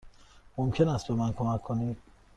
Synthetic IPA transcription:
momcʲʰenæst̪̚bemænkʰomækʰːonid̪̥

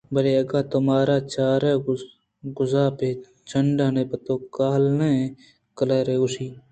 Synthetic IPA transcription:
bəɾeːɐɡaːt̪ʊmaːɾaːt͡ʃaːɾeː | ɡʊzaːpeː | t͡ʃəɳɖãːnẽːpɐt̪oːkaːlneː | kəlaːɾeːʊsiː

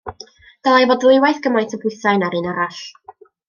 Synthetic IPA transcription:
ɡ̥alˠajvɔdlʊɨwajθɡ̥əmajntʰəbʊɨθajnaɾɨːnaɾaɬ

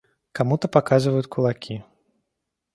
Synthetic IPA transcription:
kamut̪ɐpakazɨvɐjut͡sʲkʰulˠakʲʰi

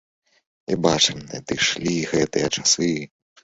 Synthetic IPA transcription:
ḭbat͡ʂɨmɐ̰d̪ɨʂlʲiɣɛt̪ɨjɐt͡ʂasɨ

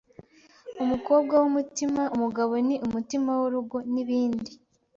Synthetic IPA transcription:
umuko̞ːb̚ɡawumutimaumuɡaβo̞niʔumutimawoɾuɡo̞niβiːndi

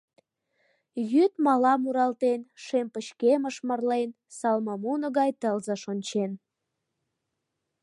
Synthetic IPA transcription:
jyt̪mɑlɑmuɾɑlt̪enʃempəɕkeməʃmərlen | sɑlməmunə̆ɣɑjt̪əlzəʃonʲt͡ɕen

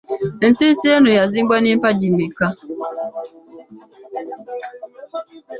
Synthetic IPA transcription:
n̩sisienujaziɡ͡banipad͡ʒimika

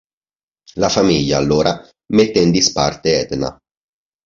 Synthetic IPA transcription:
lafamiʎːaːlːoːɾa | met̪ːend̪ispart̪eɛd̪na̰

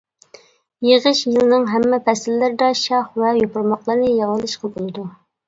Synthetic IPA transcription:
jeʁəʃjɨlˠnɨŋɦɛmːɛpʰɛsɪlːɪɾɪd̪ɑʃɑχvɛjopʊɾmɑqlˠɑɾnɨjɑʁɨlˠɨʃqɑbolˠɨd̪u

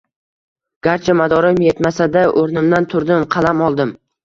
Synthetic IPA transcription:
ɡ̥ʲaɾt͡ʃʰamad̪ɒɾɪmjet̪masad̪aʔoɾnɪmd̪ant̪ʰʊɾd̪ɪmqʰɑlamɒlˠd̪ɪm

